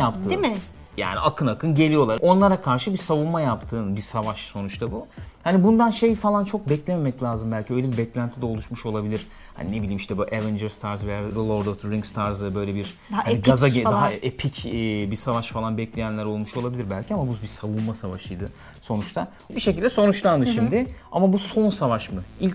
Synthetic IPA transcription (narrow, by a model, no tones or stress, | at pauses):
jap̚t̪ʰɯmɪja̰ːniakʰɯnakʰɯnɟe̞lʲijo̞lˠaɾo̞nlˠaɾakʰaɾʃɯbisavunmajapt̪ʰɯːnbisavaʃso̞nut͡ʃt̪ʰabuhanibund̪anʃe̞jfalˠant͡ʃʰo̞k̚bɛclʲeme̞mɛclʲaːzɯmbælʲcʰiøjlʲɛbiɾbɛclʲænt̪ʰid̪ɛo̞lˠuʃmuʃo̞lˠabilʲiɾ̥ | ha̰nine̞bilʲiːmiʃt̪ʰɛbuʔevɛnd͡ʒɛɾst̪ʰaɾzvejad̪lˠoɾd̪ot̪ɾiŋst̪ʰaɾzɯbø̞jlʲebiɾ̥haniɡazad̪aɦaepʰicːbisavaʃfalˠanbɛclʲejænlʲæɾo̞lˠmuʃo̞lˠabilʲiɾbælʲcʰiamabubisavunmasavaʃɯjd̪ɯ | so̞nut͡ʃt̪ʰa | biʃecʰilʲd̪ɛso̞nut͡ʃlˠand̪ɯʃimd̪ɪa̰mabuso̞nsavaʃmɯilʲ